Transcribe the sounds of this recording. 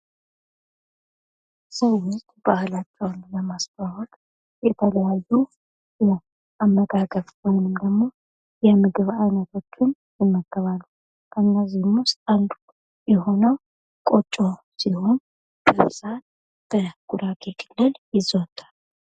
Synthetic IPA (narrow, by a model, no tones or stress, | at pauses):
səwwʊst̪ʼb̥ahlat͡ʃːɛwnləmasbahʊl | jɛt̪ʰələjajːu | jɛ | ʔamːəɡaɡəβwɔjnɨmd̪əɡmo̞ | jɛmɨɡɨβajnət̪ʰo̞t͡ʃːɪn | jɪmːəkʼːəβalːu | kʰənːəzihmʊst̪ʼand̪u | jɛɦo̞nəw | kʼo̞t͡ʃʼːo̞ | sihon | b̥əssat̪ | b̥əɡ̥uɾakʼekʰʼɨlːɨljɪzəwt̪ʰːḁl